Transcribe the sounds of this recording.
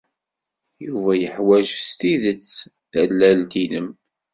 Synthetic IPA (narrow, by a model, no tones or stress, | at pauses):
juvæjəħwæʒst̪iðət͡sː | ðælːælt̪inəm